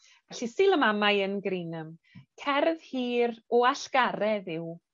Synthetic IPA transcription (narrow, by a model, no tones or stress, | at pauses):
vɛɬisɪlˠəmamajənɡɾinəm | kʰɛrð̥hiːɾɔaɬɡ̥aɾɛðɪw